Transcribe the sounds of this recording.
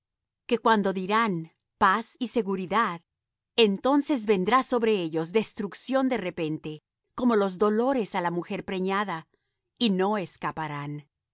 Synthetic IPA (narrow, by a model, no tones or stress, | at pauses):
ke̞kwand̪o̞ðiɾan | pasise̞ɣuɾiðað | ent̪o̞nse̞zβe̞nd̪ɾaso̞βɾe̞eʝo̞zd̪e̞st̪ɾuksjo̞nd̪e̞re̞pe̞nt̪e̞ | ko̞mo̞lo̞zðo̞lo̞ɾe̞salamuxe̞ɾpɾeɲaða | ino̞eskapaɾan